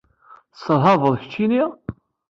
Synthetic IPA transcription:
səðˤɦɑvəðˤçə̥t͡ʃːiniʁ

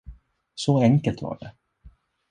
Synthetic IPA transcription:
sɔɛŋkəlt̪va̰ɖɛ̰

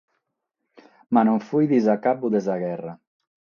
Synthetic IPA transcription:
manoɱfujd̪izakapuðezaɣɛra

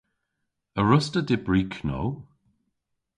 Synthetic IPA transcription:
əɹʊstədɪbɹiːkʰno̰w

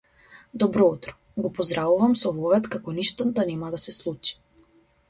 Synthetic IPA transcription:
d̪ɔbɾɔut̪ɾɔ̥ | ɡɔpɔzd̪ɾavuvamsɔvɔvɛt̪kakɔniʃt̪ɔd̪anɛmad̪asɛslˠut͡ʃi̥

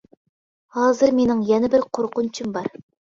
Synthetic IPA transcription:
hɑːzɨɾmenɪŋjɛnɪbɪɾqʰoɾqʊnt͡ʃʰɪmbɑɾ

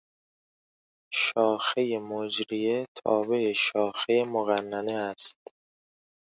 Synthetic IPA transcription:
ʃɒːxejemod͡ʒɾijet̪ʰɒ̰ːbe̞eʃɒːxejemoɣænːæneæst̪

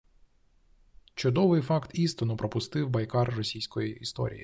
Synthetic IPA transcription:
t͡ʃʊd̪ɔʋɪjfɑkt̪ist̪ɔnɔpɾɔpʊst̪ɪwbɐjkɑrːɔsʲijsʲkɔjiist̪ɔ̰ɾʲḭjḭ

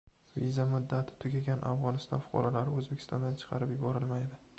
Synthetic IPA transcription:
vḭzamʊd̪ːat̪ʰɪ̥t̪ʰʊɡʲaɡʲanʔa̰fʁɒnɪst̪ɒ̰nfʊ̥qʰɒ̰ɾɒlaɾɪɵzbekʲʰɪ̥st̪ʰɒnd̪ant͡ʃʰɨ̥qʰɑɾɪpjʊbɒɾɪlmajd̪ɪ

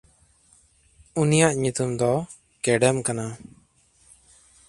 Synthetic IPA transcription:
unijaʔɲut̪umd̪ɔ | kɛɖɛmkana

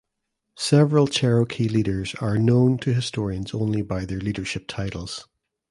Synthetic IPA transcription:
sɛvɹəlˠt͡ʃʰɛɹokʰilˠiɾə˞zə˞nõntʰəɦɪstʰɔɹiə̃nzõnlˠibaɪðə˞lˠiɾə˞ʃɪp̚tʰaɪʔl̩ˠz̥

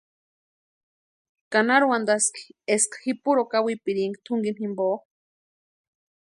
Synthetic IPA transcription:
kanaɾuwand̪aski̥eskxipuɾokawipiɾiŋɡit̪ʰuŋɡinhimboː

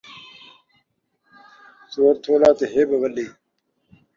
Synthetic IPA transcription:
soːɾt̪ʰoːlaːt̪eɦeːbɐʋɐleː

